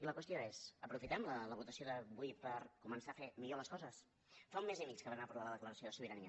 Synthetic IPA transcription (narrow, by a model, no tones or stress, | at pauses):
iləkwəst̪ioezəpɾufit̪ɛmlələβut̪əsioðəβujpəɾkumənsafemiʎoləskɔzəs | faumːezimikskəβanapɾlaləðəkləɾəsioðəsuβiɾəniə